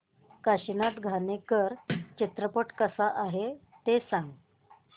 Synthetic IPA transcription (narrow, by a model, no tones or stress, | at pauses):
kaɕinat̪ɡʱanekəɾt͡ɕit̪ɾəpəʈkəsaʔaɦe | t̪esãŋɡ